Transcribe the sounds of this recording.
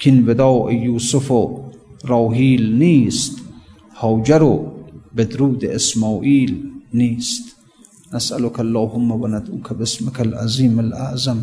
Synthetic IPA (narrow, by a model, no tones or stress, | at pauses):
kʰinved̪ɑːʔejuːsʊfoɾɑːɦiːlniːst̪ | hɑːwd͡ʒaɾobed̪ɾuːd̪eʔesmɑːʔiːlniːst̪ | nasʔalʊkʰalːɑːɦʊmːawanad̪uːkʰabɪsmɪkʰalʔa̰ziːmalʔa̰ʔzam